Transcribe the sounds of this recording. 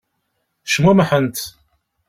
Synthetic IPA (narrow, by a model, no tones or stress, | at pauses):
ʃəmæməħənt̪